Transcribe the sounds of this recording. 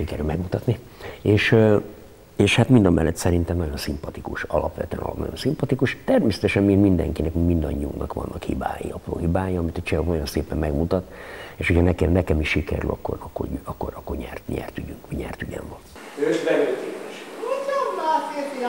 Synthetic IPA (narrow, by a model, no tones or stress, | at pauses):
ʃikɛɾylmɛɡmut̪ɒt̪ni | eːʃ | eːʃhat̪mind̪ɒmːɛlːɛt̪sɛɾint̪ɛmnɒɟo̞nsimpɒt̪ikuʃɒ̰lɒpʋɛ̰t̪yɛ̰nɒ̰lnɒ̰jonsimpɒt̪ikuʃt̪ɛrmeːsɛt̪ɛʃɛmmiːɡmind̪ɛ̰ŋkinɛkmimind̪ɒɲːiṵŋɡnɒkʋɒ̰nːɒkhḭba̰ːjḭɒpro̰ːhɦibaːjiɒmit̪ɒt͡ʃɛɦojonseːpɛmmɛɡmut̪ɒt̪eːʃhocʰhɒnɛkɛmnɛkɛmiʃːikɛ̰ɾy̰lʔɒ̰kːoɾɒkːo̰ɟɒkːo̰ɾɒkːorɲɛ̰rt̪ɲɛ̰rt̪yɟyŋkmiɲɛ̰rt̪yɟɛ̰ɱvɒn | øːʃbɛløːt̪iɛʃuomlaːt̪et̪